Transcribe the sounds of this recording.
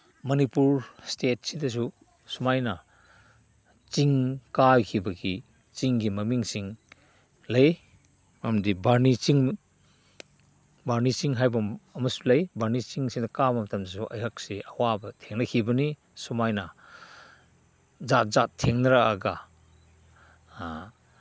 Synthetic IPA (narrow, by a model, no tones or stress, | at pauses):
mɐnipuɾstet̚sidɐs̬u | sumajnɐ | t͡ʃiŋkajkʰibɐɡi | t͡ʃiŋɡimɐmiŋsiŋ | lɐj | mamdibaɾnit͡ʃiŋ | baɾnisiŋɦajbɐmɐmɐsu̥lɐjbaɾnit͡ʃiŋsiŋdɐkabɐmɐtʰɐmdɐsuʔɐ̰jhak̚seɐwabɐtʰeŋnɐkʰibɐni | sumajnɐ | zat̚zatʰːeŋnɐɾaka̰ɡa